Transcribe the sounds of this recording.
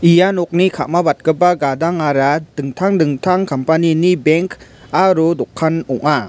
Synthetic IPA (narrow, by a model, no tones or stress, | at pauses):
ijanɔk̚nikʰamabat̚ɡɯbaɡadaŋaɾadɯŋtʰaŋdɯŋtʰaŋkampaninibeŋk | aɾodɔkʰːanɔŋa